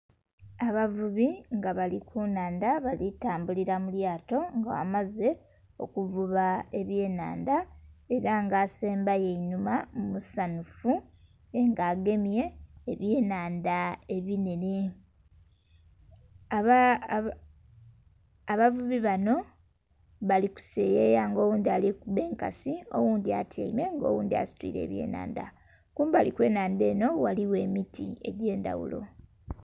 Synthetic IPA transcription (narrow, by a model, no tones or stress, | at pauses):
aβavuβiŋɡaβalikʰunaːndaβalitaːmbuliɾamuljaːto̞ŋɡawa̰maze̞ | o̞̰kuvuβaeβje̞ːna̰ːndae̞ɾaŋɡaːse̞ːmbajeinumamumusanufu | eŋɡaːɡe̞mje̞ːβjeːnaːndae̞βinene | aβ | βavuβiβano̞ | βaliku̥sejejaŋɡo̞ːwuːnd̪ialikube̞ːŋkasio̞wuːnd̪iatʰjḛime̞ŋɡo̞̰ːwuːnd̪ia̰si̥twḭːɾe̞̰ːβje̞̰ːna̰ːnda̰ | kuːmbalikwe̞ːnaːnde̞ːno̞waliwe̞ːmitḭe̞̰ɟe̞ːnda̰wṵlo̞̰